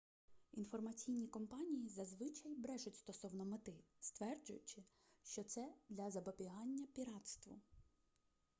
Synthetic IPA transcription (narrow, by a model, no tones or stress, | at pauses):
infɔrmɐt͡sʲijnʲikɔmpɑnʲijizɐzʋɪt͡ʃɐjbɾɛʒʊtʲst̪ɔsɔwnɔmɪt̪ɪst̪ʋɛrd͡ʒʊjʊt͡ʃɪ | ʃt͡ʃɔt̪sɛd̪lʲɐzɐbɔbʲiɦɑnʲːɐpʲiɾɑt̪st̪ʋʊ